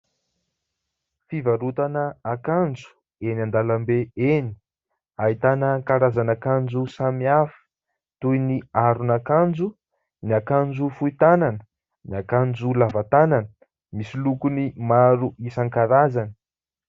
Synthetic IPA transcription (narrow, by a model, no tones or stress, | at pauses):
fivaɾut̪anəakand͡zu̥ | eniand̪alambeeni̥ | ait̪anaŋkaɾazanakand͡ʒusamiafiə̥ | t̪ujniaɾunakand͡ʒu | niakand͡zufuit̪ananə̥ | niakand͡zulavat̪ananə̥ | misilukunimaɾuʔisaŋkaɾazan̥